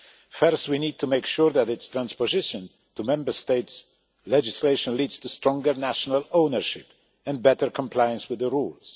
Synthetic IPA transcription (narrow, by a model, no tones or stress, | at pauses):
fɜɹst̚winid̚tʰumeɪkʃuɹðæɾɪtst̪ɹæ̃nspɔzɪʃə̃n | tumɛ̃mbə˞steɪts | lɛd͡ʒɪsleɪʃə̃nlidz̥tustɹɔ̃ŋɡəɹnæʃɔnalõʊnəɹʃɪp | ɛ̃nbɛtə˞kʰɔ̃mpʰlajə̃nswɪðəɹulˠz̥